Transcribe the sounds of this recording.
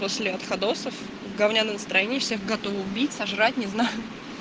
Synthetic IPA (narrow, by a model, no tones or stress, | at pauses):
posʲlʲɪɐt̪xɐd̪osəf | vɡɐvnʲanənəst̪ɾɐjenʲɪjɪfsʲeɣɡɐt̪ovʊbʲitʲsɐʐratʲnʲɪznajʊ